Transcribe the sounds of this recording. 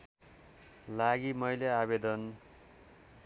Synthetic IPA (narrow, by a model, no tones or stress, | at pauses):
laɡimʌjleabed̪ʌn